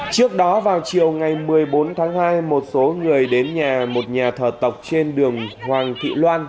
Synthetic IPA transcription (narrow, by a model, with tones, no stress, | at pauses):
t͡ɕɨ˦˥ək̚ɗɔ˨˦vaː˨˩wt͡ɕi˨˩əwŋa˨˩jmɨ˨˩əjɓo˨˦nt̪ʰaː˨˦ŋhaː˧jmo˨˩t̚so˨˦ŋɨ˨˩əjɗe˨˦nɲaː˨˩mo˨˩t̚ɲaː˨˩t̪ʰəː˧˩t̪ə˨˩wk͡p̚t͡ɕe˧nɗɨ˨˩əŋhwaː˨˩ŋt̪ʰḭ˧˨lwaː˧n